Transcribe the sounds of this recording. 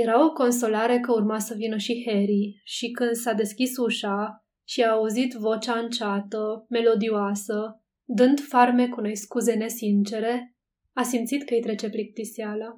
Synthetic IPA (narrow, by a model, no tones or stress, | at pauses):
je̞ɾao̞ko̞ns̬o̞laɾe̞kəurmasəvinəʃiheɾiʃikɨnd̪sad̪e̞skʲisuʃa | ʃiaːuzit̪vo̞t͡ʃaɨnt͡ʃat̪əme̞lo̞d̪ioasə | d̪ɨnd̪farme̞kuno̞jskuze̞ne̞sint͡ʃe̞ɾe̞ | asimt̪sit̪kəijt̪ɾe̞t͡ʃe̞plik̚t̪isiala